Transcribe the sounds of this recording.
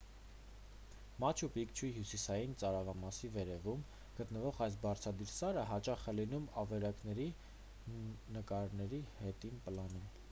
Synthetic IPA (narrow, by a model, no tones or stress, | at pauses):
mɑt͡ʃʰupikt͡ʃʰuɦjusisɑjint͡sɑɾɑvɑmɑsivɛɾɛvum | ɡ̥ət̪nəvɔʁɑjs̬bɑɾt͡sʰɑd̪iɾsɑɾəɦɑt͡ʃɑχɛlinumɑvɛɾɑknɛɾi | nəkɑɾnɛɾihɛt̪inpəlɑnum